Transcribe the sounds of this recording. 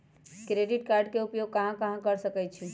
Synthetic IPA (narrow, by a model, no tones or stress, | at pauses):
kɾeɖiʈkaɾɖkeupjoɡ̚kəɦãkəɦãkəɾsəkɛt͡ʃʰĩ